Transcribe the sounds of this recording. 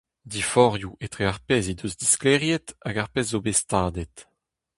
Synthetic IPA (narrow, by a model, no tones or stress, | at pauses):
d̪ifɔʁjuʔet̪χeaʁpɛzid̪øzd̪isklɛʁjɛt̪aɡaʁpɛzːobest̪aːd̪ɛt